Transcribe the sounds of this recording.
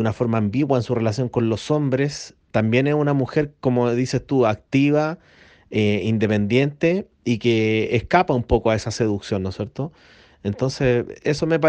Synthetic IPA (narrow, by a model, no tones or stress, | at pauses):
unafoɾmaːmbiwaensure̞lasjo̞ŋko̞nlo̞so̞mbɾes | t̪ambje̞nesunamuxe̞ɾkomoðise̞st̪uak̚t̪iβa | eind̪e̞pe̞nd̪je̞nt̪e | ikeːhkapaumpo̞koae̞sase̞ðuksjo̞nːosje̞ɾt̪o | ent̪o̞nseseso̞mep̬a